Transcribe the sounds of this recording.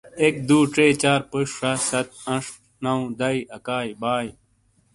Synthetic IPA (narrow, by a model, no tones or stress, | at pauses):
ek̚d̪uːʈeːt͡ɕaːɾpəʂʂɐsɐt̪̚ɐ̃ʂ | nɐw̃d̪ɐiɐkaːjbaːj